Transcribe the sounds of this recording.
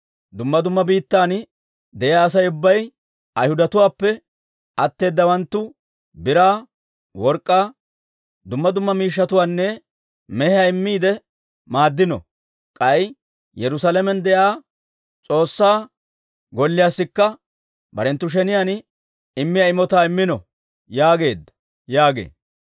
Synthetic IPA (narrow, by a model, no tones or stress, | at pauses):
d̪ʊmːɐd̪ʊmːɐbiːt̪ːaːn | d̪ɛjaːs̬ɐjʊbːɐj | ʔɐjhʊd̪ɐt̪ʊwaːpːɛ | ʔɐt̪ːe̞ːd̪ːɐwɐnt̪ːʊ | bɪɾaː | wɔɾkʼːaː | d̪ʊmːɐd̪ʊmːɐmiːʃːɐt̪ʊwaːnːɛ | mɛhɪjaɪmːiːd̪ɛ | maːd̪ːɪnɔ̰ | kʼɐj | jɛɾʊsalɛmɛnd̪ɛjaː | t͡sʼo̞ːsːaː | ɡɔlːɪjaːsːɪkːɐ | bɐɾɛnt̪ːʊʃ̬ɛnɪjan | ɪmːɪjaɪmɔt̪aːɪmːɪnɔ | jaːɡe̞ːd̪ːɐ̥ | jaːɡḛː